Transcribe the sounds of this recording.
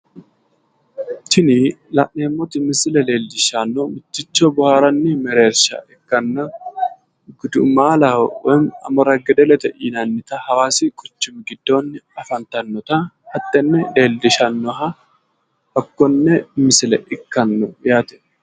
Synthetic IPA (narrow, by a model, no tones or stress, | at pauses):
tɪnilɐ̰ʔneːmːɔt̪ɪmɪsɪlɛleːld̪ɪʃanːɔmɪt̪ːɪt͡ʃːɔbʊhaːɾɐnːɪmɛɾe̞ːɾʃɐ̰ʔɪkːɐnːɔ | ɡʊd̪ʊmːaːlɐhɔʔɔnɐmɐɾɐɡɛd̪ɛlɛt̪ɐʔiːnɐnːɪt̪ɐhɐwaːsɪkʼʊt͡ʃːʊmɡɪd̪ːo̞ːnːɪɐfɐnt̪ɐnːɔt̪ɐhɐt̪ːɛnːɛle̞ːld̪ɪʃɐnːɔɦɐ | hɐkːɔnːɛmɪsɪlɛʔɪkːɐnːɔjaːt̪ɛ̥